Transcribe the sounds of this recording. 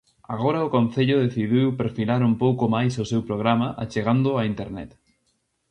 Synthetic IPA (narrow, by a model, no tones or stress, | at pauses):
aɣ̞oɾɐʊkõn̟θeʎʊðeθiðiwpeɾfilaɾumpowkʊmajsʊsewpɾoɣ̞ɾamɐʔa̰t͡ʃeɣand̪ʊaint̪eɾnɛ̰t̪